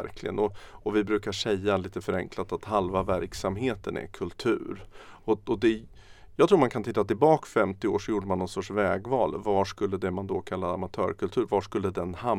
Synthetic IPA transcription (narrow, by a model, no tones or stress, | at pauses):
ɾkʰlɪɡə̰nɔɔvɪbɾʉ̟ːkaʂɛjːaliːt̪əfœɾɛ̰ŋklat̪at̪halvavæɾksamɦeːt̪ənɛ̰kʰɵlt̪ʰʉ̟ːɾɔɔd̪ɛjɑːɡt̪ʰɾuːmankʰant̪ʰɪt̪ːat̪ɪlbɑːkfɛmt̪ɪoːʂɔjuːɖəmanːɔnsɔʈʂvɛːɡvɑːlvaʂkɵlːəd̪ɛmand̪ɔkʰalːaɾamat̪ʰœ̰ːɾkʰɵlt̪ʰʉ̟ːɾvaʂkɵlːəd̪ɛnha